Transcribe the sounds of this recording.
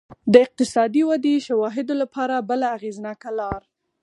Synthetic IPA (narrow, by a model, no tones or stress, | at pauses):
d̪əɪq̚t̪ɪsɑd̪iwad̪eʃawɑɦɪd̪olapɑɾabəlaːɣeznɑkalɑɾ